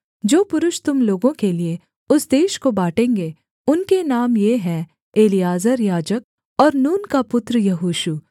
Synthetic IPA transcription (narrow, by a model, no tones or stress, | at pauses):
d͡ʒoːpʊɾʊʃt̪ʊmloːɡõkelie | ʊsd̪eːʃkobaːʈẽːŋɡe | ʊnkenaːmjeɦɛ̃ | eːlijaːzəɾjaːd͡ʒək̚ | ɔːɾnuːnkapʊt̪ɾəjɐɦuːʃu